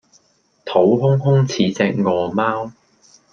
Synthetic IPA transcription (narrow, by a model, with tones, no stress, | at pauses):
t̪ʰo˨˥wɦʊ˥ŋɦʊ˥ŋt͡sʰiː˨˥t͡sɛː˧k̚ŋɔː˨˧maː˥w